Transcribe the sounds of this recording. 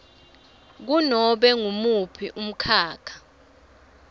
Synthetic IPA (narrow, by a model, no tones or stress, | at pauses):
k̬unɔɓɛŋumupʰiʔum̩kʰaːkʰḁ